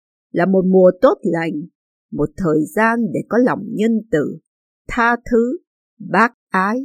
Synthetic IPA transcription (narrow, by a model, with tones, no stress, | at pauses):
laː˨˩mo˨˩t̚mu˨˩ət̪o˦˥t̚la˨˧˩jŋ̟ | mo˨˩t̚t̪ʰəː˨˩jzaː˧nɗe˧˩kɔ˨˦la˨˩wŋ͡mɲə˧nt̪ɨ̰˧˨ | t̪ʰaː˧t̪ʰɨ˨˦ | ɓaː˦˥k̚ʔaː˨˦j